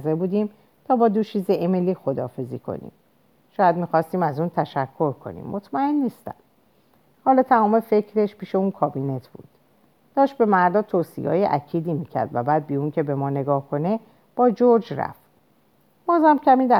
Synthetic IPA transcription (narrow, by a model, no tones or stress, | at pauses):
zebuːd̪iːm | t̪ʰɒːbɒːd̪oʃʰiːzeʔemeliːxo̞d̪ɒ̰ːfe̞zḭkʰo̰nḭːm | ʃɒːjæd̪miːxɒːst̪iːmæzunt̪ʰæʃækʰːo̞ɾkʰo̞̰nḭːmːʔot̪ʰmæe̞nːiːst̪æ̰m | hɒːlɒːt̪ʰæmɒːmefe̞cʰɾe̞ʃpʰiːʃeunkʰɒːbine̞t̪ʰb̥ṵːd̪̥ | d̪̥ɒːʃt̪̚be̞mæɾd̪ɒːt̪ʰoːsḭjɒ̰ːjeʔæcʰiːd̪iːmiːkcʰæ̰ɾd̪væbæːd̪̚biunce̞be̞mɒːne̞ɡɒːhkʰo̞ne̞ | b̥ɒːd͡ʒoɾd͡ʒɾæ̰ft̪ | b̥ɒːzæmcʰæmiːd̪æ